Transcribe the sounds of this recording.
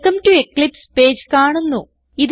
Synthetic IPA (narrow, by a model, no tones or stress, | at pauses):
kɐmʈuekɭipspe̞ːd͡ʑkaːɳunːu | ið